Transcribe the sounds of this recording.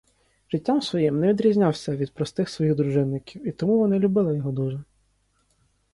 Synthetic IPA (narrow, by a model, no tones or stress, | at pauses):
ʒ̥ɪtʲːamsʋɔjimnɛʋʲid̪ɾʲizʲnʲawsʲɐʋʲid̪̚pɾɔst̪ɪxsʋɔjiɣd̪ɾʊʐɪnːɪkʲiwit̪ɔmuʋɔnɪlʲʊbɪlˠɪjɔɦɔd̪uʒɛ